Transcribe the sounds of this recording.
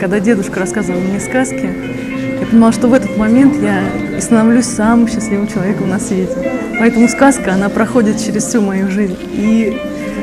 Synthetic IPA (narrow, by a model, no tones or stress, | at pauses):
kɐɡ̚d̪adʲe̞d̪ʊʂkərɐskazəvəlˠəmnʲeskaskʲɪ | japənʲɪmlˠaʂt̪ovɛt̪ət̪mɐmʲe̞nt̪ja | ɪst̪ənɐvlʲusʲsamɨmɕːɪsʲlʲivəmt͡ɕɪlˠɐvʲe̞kənasːvʲetʲɪpɐɛt̪əmʊskaskəɐnapɾɐxo̞dʲɪt̪̚t͡ɕɪɾʲɪsfʲsʲumɐjuʐɨzʲnʲ | i